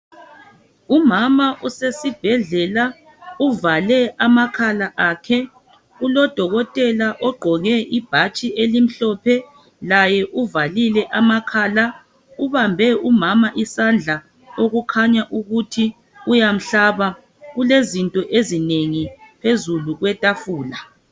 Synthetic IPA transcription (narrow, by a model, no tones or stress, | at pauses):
umamaʔusesib̥ʱɛɮɛla | uvalɛʔamakʰalaʔakʰɛ | ulɔd̥ʱɔɣɔtʼɛlaʔɔɡ͡ǃʱɔɣɛʔib̥ʱat͡ʃʼiʔelim̩ɬɔpʰɛ | lajɛʔuvalilɛʔamakʰaːla | uβambʱɛumamaʔisand͡ɮʱa | oɣukʰaɲaʔuɣutʰi | ujam̩ɬaβa | ɣulezintʼɔʔezineŋipʰezuluɣwɛtʼafuːla